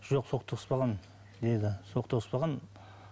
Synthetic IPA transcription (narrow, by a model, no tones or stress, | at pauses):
ʒ̥oqso̞qt̪ʰoəspɑʁɑn | d̪e̞d̪ɪso̞qt̪ʰoəspɑʁɑn